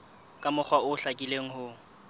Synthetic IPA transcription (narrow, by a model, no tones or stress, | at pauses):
kʼamʊk͡xʰwaʊɬakʼileŋ̩hʊ